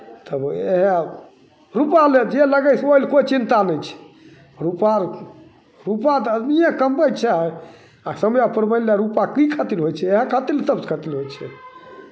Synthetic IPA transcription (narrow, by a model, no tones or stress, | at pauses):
t̪əbḛɦẽ | ɾupaled͡ʒeləɡəsojlkot͡ʃint̪anɛjt͡ʃʰɛ̥ | ɾupaɾ | ɾupat̪əd̪nijãkəmpəjt͡ʃʰaɦɛ | asəmjapəɾməljaɾupakikʰat̪ilɦojt͡ʃʰɛeɦẽkʰat̪ilsəbskʰat̪ilɦojt͡ʃʰɛ